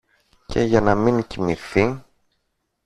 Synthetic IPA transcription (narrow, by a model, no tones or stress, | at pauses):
cʰe̞̰ʝɐnɐmiŋcimiθi